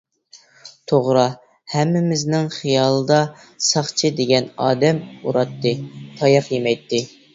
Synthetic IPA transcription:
t̪ʰoʁɾɑ | hɛmːɪmɪznɪŋχijɑːlˠɨd̪ɑ | sɑχt͡ʃʰɨd̪eɡʲɛnɑːd̪ɛmuɾɑt̪ːɨt̪ʰɑjɑqjemɛjt̪ːɪ

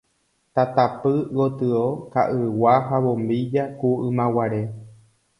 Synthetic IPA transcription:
t̪at̪apɨɣot̪ɨokaʔɨwaɦaβõmbid͡ʒakuʔɨ̃mãwaɾe̞

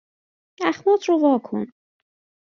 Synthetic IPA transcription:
æxmuːt̪ʰɾovɒːkʰo̰n

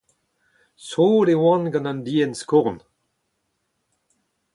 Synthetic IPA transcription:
soːɾewɑ̃nɡɑ̃nãndiːənskuʁn

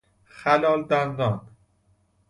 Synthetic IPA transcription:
xælɒːld̪and̪ɒːn

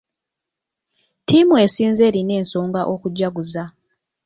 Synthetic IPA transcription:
timue̞siːnze̞ːɾine̞ːnso̞ːŋɡaʔo̞kuɟːaɡuza

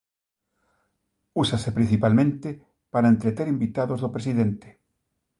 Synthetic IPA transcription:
usasepɾin̟θipalmẽnt̪e | paɾaẽnt̪ɾet̪eɾimbit̪aðozðopɾesiðent̪e̥

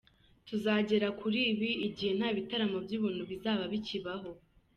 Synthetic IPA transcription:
tuzaːɟe̞ɾakuɾiːβiːɟihe̞n̥haːβitaɾamobjiːβun̥uβizaːβaβiciβaɦo̞

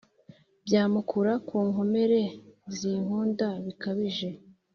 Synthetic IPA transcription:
bjaːmukʰuɾakʰuːŋo̞me̞ɾe̞ziːŋhuːndaβikaβiʒe̞

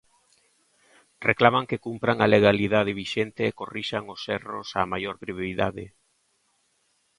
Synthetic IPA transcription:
reklamaŋkekumpɾaŋaleɣ̞aliðaðeβiʃent̪eːkoriʃaŋosɛro̰samajoɾpɾiβoiða̰ðḛ

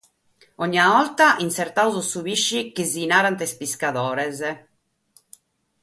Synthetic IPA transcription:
ɔɲːiaɔlt̪aʔinsɛrt̪awzɔsuβiʃːikezinaːɾant̪espiskaðɔːɾɛz

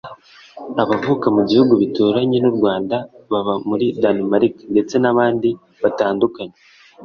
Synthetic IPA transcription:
aβavukamuɟihuɡuβitoːɾaɲenuɾɡwaːndaβaβamuɾidanimaɾiknde̞t͡se̞naβaːndi | βataːndukaɲe

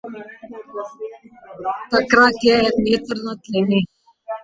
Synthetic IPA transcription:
t̪əkɾaːkeɛt̪neːt̪əɾnət̪leːneː

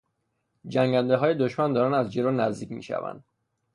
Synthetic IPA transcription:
d͡ʒæŋɟænd̪eɦɒːje̞d̪oʃmænd̪ɒːɾæːnd̪æzd͡ʒe̞ɾoːnæzd̪iːcʰmḭːʃæ̰væ̰nd̪̥

